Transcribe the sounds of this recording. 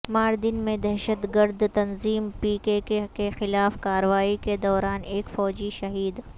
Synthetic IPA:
maːɾd̪ɪnmẽd̪ɛɦʃət̪ɡəɾd̪t̪ɐnziːmpiːkekekexɪlaːfkaːɾəʋaːiked̪ɔːɾaːneːkfɔːd͡ʒiʃɐɦiːd̪

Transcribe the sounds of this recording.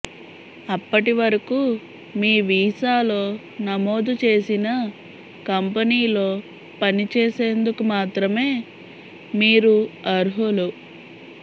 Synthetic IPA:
ɐpːɐʈiʋɐɾɐkuː | miːʋiːsaːlo̞ː | nɐmo̞ːd̪ut͡ʃeːsinɐ | kɐmpɐniːlo̞ː | pɐnit͡ʃeːse̞ːnd̪ukumaːt̪ɾɐme̞ː | miːɾuɐɾɦolu

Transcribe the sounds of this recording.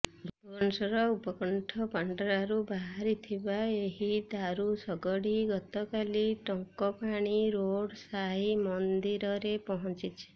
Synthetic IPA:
ɾupkɔnsɔɾɔupɔkɔɳʈʰɔpaɳɖɔɾaɾubaɦaɾit̪ʰibaeɦid̪aɾusɔɡɔɽiɡɔt̪ɔkaliʈɔŋkɔpaɽ̃iɾoɽsaɦimɔnd̪iɾɔɾepɔɦɔnt͡ʃit͡ʃʰe̥

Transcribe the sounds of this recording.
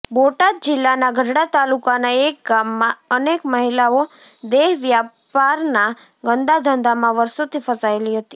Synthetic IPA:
boʈad̪̚d͡ʒɪlːanaɡʱəɖɽat̪alukanaek̚ɡamːãənekməɦilao | d̪eɦʋjapaɾna | ɡənd̪ad̪ʱənd̪ʱamãʋəɾsot̪ʰifəsaeliɦət̪i̥

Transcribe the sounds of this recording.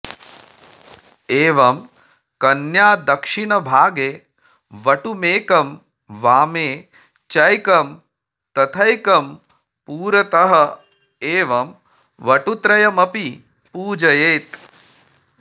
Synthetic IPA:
eːʋɐm | kɐnjaːd̪ɐkʂinɐbʱaːɡeː | ʋɐʈumeːkɐm | ʋaːmeː | t͡ʃɐjkɐm | t̪ɐt̪ʰɐjkɐm | puːɾɐt̪ɐɦɐ | eːʋɐm | ʋɐʈut̪ɾɐjɐmɐpi | puːd͡ʒɐjeːt̪

